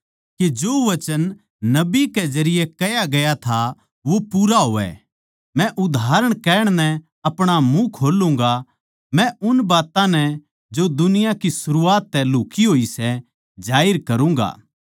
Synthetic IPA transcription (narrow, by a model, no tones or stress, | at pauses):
ked͡ʒoːʋɐt͡ʃənː | ɐbikɛd͡ʒɐɾɪjekɐjaɡɐjat̪ʰa | ʋopuːɾaɦoːʋɛ̰ | mɛ̃ʔʊd̪ʱaːɾəɽ̃kɛːɽ̃nɛ̃ | ɐpɽ̃amũkʰoːlũːŋ̆ɡa | mɛ̃ʔʊnbaːt̪ãnɛ | d͡ʒod̪ʊnɪjakisʊɾuaːt̪ːɛluːkiɦoːisɛ | d͡ʒaːɪɾkɐɾũŋ̆ɡa̰ː